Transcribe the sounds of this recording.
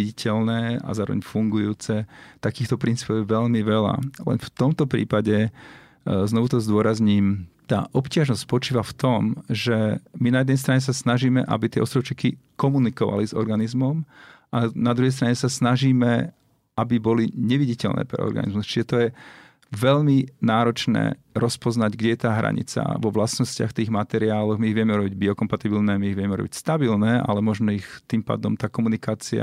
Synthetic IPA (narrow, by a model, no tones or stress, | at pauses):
iicʰɛlnɛːa̰zaːɾɔ̰ʋɛ̰ɲfuŋɡujuːt͡sɛt̪akiːxt̪ɔpɾint͡siːpɔʊjɛʋɛʎmiʋɛla̰lɛ̰nft̪ɔmt̪ɔpɾḭːpaɟɛ | znɔʋut̪ɔzd̪ʊɔɾazɲiːmt̪a̰ːʔɔpcɪaʒnɔstʲcspɔt͡ʃiːʋaft̪ɔmʒɛminajɛd̪nɛjs̬t̪ɾaɲɛs̬asnaʒiːmɛ̰ʔa̰bit̪ɪɛʔɔst̪ɾɔʊt͡ʃikikɔmunikɔʋa̰lizɔ̰ɾɡanizmɔm | anad̪ɾuɦɛjst̪ɾaɲɛsasnaʒiːmɛ | ʔabibɔliɲɛʋiɟicɛlnɛ̰ːpɾɛ̰ɔ̰ɾɡa̰nḭzmust͡ʃiʒɛt̪ɔjɛ | ʋɛʎminaːɾɔt͡ʃnɛ̰ːɾɔspɔznaɟɡɟɛjɛt̪aːɦɾa̰ɲḭt͡sa̰ʋɔʋlasnɔscɪa̰xft̪iːɣmat̪ɛɾiaːlɔɣmiːɣʋɪɛmɛuɾɔbiɟbiɔkɔmpat̪ibilnɛmiːɣʋɪɛmɛuɾɔ̰bicst̪abilnɛa̰lɛmʊɔʒmɛixt̪impa̰ːd̪ɔmt̪aːkɔmunikaːt͡sia̰